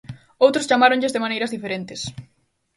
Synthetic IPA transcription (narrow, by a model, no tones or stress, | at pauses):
owt̪ɾʊst͡ʃamaɾõŋʎɪzðeɪmanejɾɐzðifeɾent̪ɪs